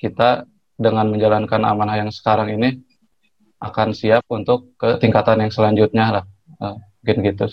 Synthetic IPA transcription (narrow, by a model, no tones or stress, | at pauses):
kit̪a | dəŋanməɲd͡ʒalankana̰manahjaŋsə̥kaɾaŋini | ʔa̰kansiap̚unt̪ʊkːət̪iŋkat̪anjaŋsəlaɲd͡ʒut̪̚ɲalah | ə | uŋkɪnɡit̪u